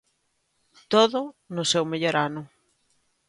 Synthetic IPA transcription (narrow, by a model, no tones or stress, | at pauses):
t̪oðʊnʊsewmeʎoɾanʊ